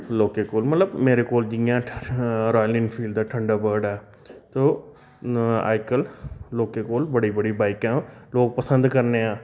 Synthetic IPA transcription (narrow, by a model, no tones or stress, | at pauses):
t̪oːloːkeːkoːlmət̪ləbmeːɾeːkoːld͡ʒɪjãːɾaːjlɪnpʰiːlɖd̪aːʈʰəɳɖaːbəːɖɛː | t̪oː | a̰ːɪkəlloːkeːkoːlbəɽiːbəɽiːbaːɪkãːloːɡ̚pəsə̃nd̪kəɾneːãː